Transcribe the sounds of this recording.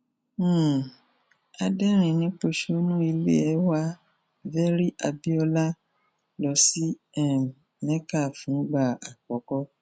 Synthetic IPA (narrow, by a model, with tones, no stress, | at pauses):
a˧dɛ˦ɾ̃ĩ˨nĩ˨˦k͡po˧ʃo˧˦nũ˦i˧lḛ˦ɛ˦wa˧ | vɛ˦ɾi˦ʔa˧bi˦ɔ˧la˦ | lɔ˧˦si˦ɛ˦˨ | nɛ̃˦ka˦˨fũ˨˦ɡ͡ba˦˨a˨k͡pɔ˨˦kɔ˦